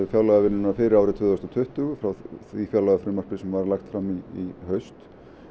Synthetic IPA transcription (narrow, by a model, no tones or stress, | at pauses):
fjawlaɣavɪnːʏnafɪːɾɪɾaːwɾɪt̪ʰvʏːðɔst̪ɔt̪ʰʏht̪ʏɣfɾawθifjawlaɣafɾɪmar̥pɪsɛmvaɾlaxt̪fɾamːiiɦœɥst̪